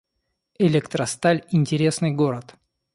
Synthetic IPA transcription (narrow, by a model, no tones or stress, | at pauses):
ɪlʲɛkt̪ɾəst̪alʲɪnʲtʲɪɾʲe̞snɨjɡo̞ɾət̪